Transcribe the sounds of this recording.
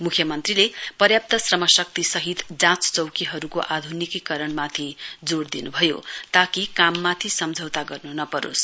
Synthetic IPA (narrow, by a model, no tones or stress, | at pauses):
mukʰjʌmʌnt̪rilepʌrjap̚t̪ʌsrʌmʌsʌk̚t̪isʌɦit̪d͡zãt͡st͡sʌwkiɦʌɾukoʔad̪ʱunikikʌɾʌɳmat̪ʰid͡zoɽd̪inubʱʌjo̰t̪akikamːat̪ʰisʌmd͡zʱʌwt̪aɡʌrnunʌpʌɾo̰s